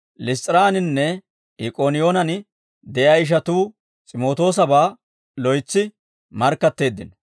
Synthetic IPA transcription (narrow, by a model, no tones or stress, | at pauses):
lɪst͡s̪ʼɪɾaːnɪnːɛ | ɪkʼonɪjo̞ːnɐn | d̪ɛjɐɪʃ̬ɐt̪uː | t͡sʼɪmo̞ːt̪o̞ːsɐbaː | lɔjt͡sːɪ | mɐɾkːɐt̪ːe̞ːd̪ːɪn